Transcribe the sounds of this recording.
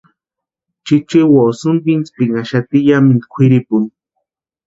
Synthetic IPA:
t͡ʃit͡ʃiwosunbint͡spiŋaʃat̪ijamind̪kʷʰiɾipun

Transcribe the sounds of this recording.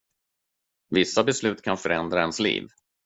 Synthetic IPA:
vɪsːabɛslʉ̟ːt̪kʰanfœɾɛnd̪ɾaɛnslḭːv

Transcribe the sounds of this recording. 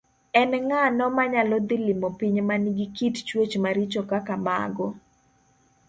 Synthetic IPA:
ɛnɛŋanɔmaɲalɔd̪ɪlɪmopiɲmaniɡikitt͡ʃwet͡ʃmaɾit͡ʃokakama̰ɡɔ

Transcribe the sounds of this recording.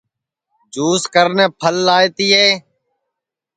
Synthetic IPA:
d͡ʒuːskəɾnẽːpʰəlːaːeːt̪iːɦeː

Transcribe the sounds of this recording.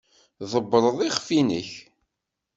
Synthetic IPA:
ðˤəbːɾˤəðˤiχfinə̰ç

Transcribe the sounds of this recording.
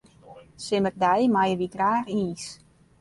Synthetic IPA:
sɪmərdɛjmajəʋiɡraːxiːs

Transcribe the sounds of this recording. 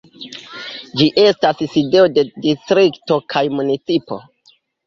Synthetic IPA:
d͡ʒiʔe̞stasside̞o̞de̞distɾikto̞kʰajmunit͡sipo̞̰

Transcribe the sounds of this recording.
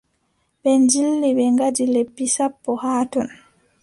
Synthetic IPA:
ɓɛnd͡ʒilːiɓɛŋɡadilepːisapːɔhaːtɔn

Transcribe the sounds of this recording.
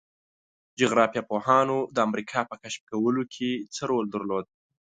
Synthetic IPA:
d͡ʒʊɣɾɑfjɑpohɑnod̪əamɾikʰɑpəkaʃp̚kawəlokʰet͡səɾold̪əɾlod̪̚

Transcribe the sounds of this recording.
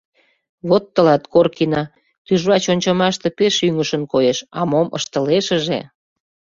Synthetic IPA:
βot̪ːəlɑt̪korkinɑ | t̪yʒβɑt͡ɕonʲt͡ɕɑmɑʃt̪epeʃyŋəʃə̆nkojeʃɑ̰momə̰ʃt̪əleʃəʒḛ

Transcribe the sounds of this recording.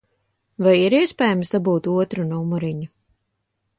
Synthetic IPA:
vajiɾiɛspʲɛːjamsd̪abuːt̪uɔt̪ɾunuumuɾiɲu

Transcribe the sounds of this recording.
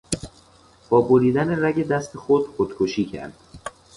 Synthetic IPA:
b̥ɒːboɾiːd̪æne̞ræɟe̞d̪æst̪ʰexod̪̥χod̪̥kʰoʃiːcʰæ̰ɾd̪̥

